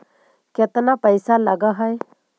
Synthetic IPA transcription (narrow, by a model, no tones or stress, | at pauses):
ket̪napəɪsaləɡaɦəj